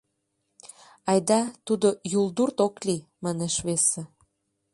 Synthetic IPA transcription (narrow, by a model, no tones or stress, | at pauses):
ɑjd̪ɑt̪ud̪ojuld̪urt̪oklimɑneʃβese